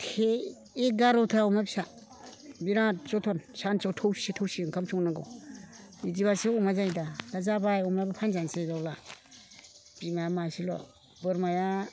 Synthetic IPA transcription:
tʰe | eɡaɾɔtʰaɔmabisa | biɾat͡ʃɔtʰɔnsant͡ʃawtʰɔwsitʰɔwsiŋkʰamt͡ʃʰɔŋnaɡɔ̰w | idiβaseɔmazajdadazabajɔmajbapʰanzanseɡawla | b̥imajamasilɔ̰ | bɯɾmaja

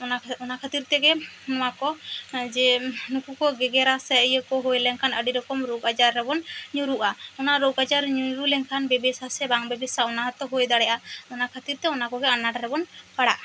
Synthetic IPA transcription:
ɔaɔnakʰat̪iɾt̪ɛɡɛnɔw̃akɔd͡ʒɛnukukɔɡɛɡɛɾasɛjəkɔɦojlɛŋkʰanəɖiɾɔkɔmɾoɡad͡ʒaɾːɛbɔnɲuɾuʔaɔnaɾoɡad͡ʒaɾɲuɾulɛŋkʰanbɛbɛsasɛbaŋbɛbɛsaɔnaɦɔt̪ɔɦojd̪aɽɛʔaɔnakʰat̪iɾt̪ɛɔnakɔɡɛanaʈɾɛbɔnpaɽaʔ

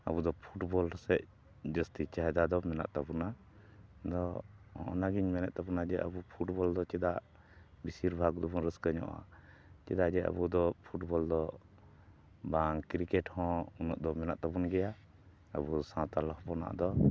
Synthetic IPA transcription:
a̰bud̪ɔpʰuʈbɔlɾɔsɛʔ̚ | d͡ʒəst̪it͡ʃaɦɛd̪ad̪ɔmɛna̰ʔt̪abuna | d̪ɔhɔ̃ɔ̰naɡiɲmɛnɛʔ̪̚t̪abunad͡ʒɛʔabupʰuʈbɔld̪ɔt͡ʃɛd̪aʔ | bisiɾbʱaɡd̪ɔbunɾəskəɲɔ̰ʔa̰ | t͡ʃɛd̪aʔd͡ʒɛa̰bud̪ɔpʰuʈbɔld̪ɔ | baŋkɾikɛʈhɔ̃unɔʔd̪ɔmɛnaʔt̪abunɡɛja | a̰busãt̪alɔhpɔna̰ʔd̪ɔ

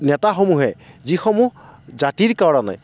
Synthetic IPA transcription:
nɛtaxomuɦɛzixɔmuɦzatiɹkawɹana̰j

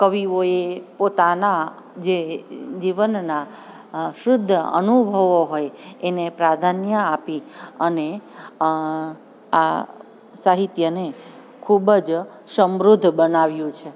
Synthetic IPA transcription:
kəʋiʋoepot̪ana | d͡ʒed͡ʒiʋənna | ʃɾʊd̪ʱːəə̰nubʱəʋoɦojenepɾad̪ʱanjəapiəne | a | saɦit̪jəne | kʰubəd͡ʒ | səmɾʊd̪ʱbənaʋjũt͡ʃʰe

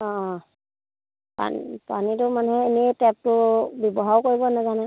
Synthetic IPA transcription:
ɔ̃ | pa̰npanitʊmanɦɛenitɛp̚tʊbɔbɔɦawkoɹibɔnazanɛ

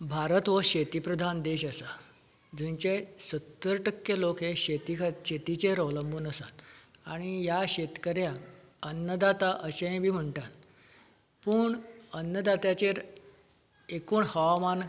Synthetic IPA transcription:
bʱaɾət̪ʋəɕet̪ipɾəd̪ʱand̪eɕasa | d͡zĩɲt͡ɕesət̪ːəɾʈəkjəlokɦeɕet̪ikʰt̪ɕet̪it͡seɾəʋləmbʱuːnəsa̰t̪aɽ̃ijaɕet̪kəɾjã | ənːəd̪at̪aʔəɕeɦẽbʱiːm̤əɳʈat̪ | puːɳənːəd̪at̪jat͡ɕeɾ | ekuːɳhəʋaman

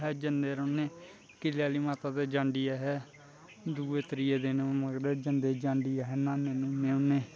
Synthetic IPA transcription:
ɦɛːd͡ʒənd̪eːɾoːneː | kɪlaːliːmaːt̪aːd̪eːd͡ʒãːɳɖiːaɦɛː | d̪uːeːt̪əɾɪjeːd̪eːneməɡɾeːd͡ʒənd̪eːd͡ʒãːɳɖiːaɦɛːnãːnẽːnũːmeːneː

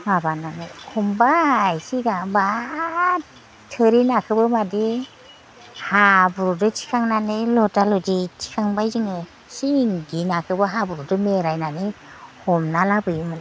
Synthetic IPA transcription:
mabananɯkʰɔmbajsiɡaba | tʰːɯɾinakʰɯbɯmadi | habuɾudɯt͡ʃʰi̥kʰaŋnanɯlɔtalɔditʰi̥kʰaŋbajzɯŋɯ | siŋɡinakʰɯbɯɦabuɾudɯmeɾajnanɯ | hɔmnalabɯjumɯna

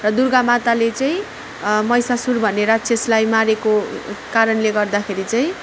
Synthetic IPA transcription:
rʌd̪urɡamat̪alet͡sʌj̃ | mʌjsasurbʱʌneɾat̪sʰeslajmaɾekokaɾʌnleɡʌrd̪akʰeɾit͡saĩ

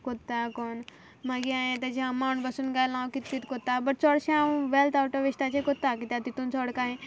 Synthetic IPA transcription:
kot̪ːakɔn | maɡiãjẽt̪at͡ɕeəmauɳɖbəsuːnɡalãwkit̪kit̪kot̪ːabəʈ̚t͡sɔɽɕãʋelt̪awʈoʋisʈ̪at͡ɕekot̪ːakit̪jat̪it̪ũnt͡sʰɔɔɽkaɦẽ

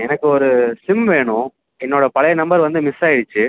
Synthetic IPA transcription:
ɛnɐkːɯɔɾɯsɪmʋeːɳʊ̃ | ɛnːoːɽɐpɐɭɐjɐnɐmbɐɾʋɐnd̪ɯmɪsaːjɪɽɯt͡ʃːɯ

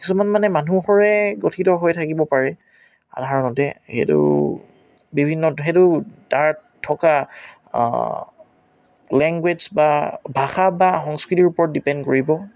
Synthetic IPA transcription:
kisumanmanɛmanuxɔɹɛɡotʰitɔɦojtʰakibɔpaɹɛ | a̰dʱaɹɔnɔtɛxḛtṵ | bibʱinːɔtxetʊtaɹtʰɔka̰ | lɛŋɡwed͡ʒbabʱaxabaxɔŋskɹitiɹupɔɹɔt̚dipɛndkoɹibɔ

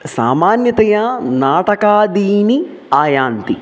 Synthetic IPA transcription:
sa̰ːmaːnjɐt̪ɐjanaːʈɐkaːd̪iːni | aːjaːnt̪i

